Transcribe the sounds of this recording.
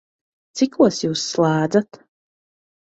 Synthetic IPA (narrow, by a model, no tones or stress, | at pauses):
t͡s̪ʰɪkuɔsjuːsːlˠaːd̪d͡z̪at̪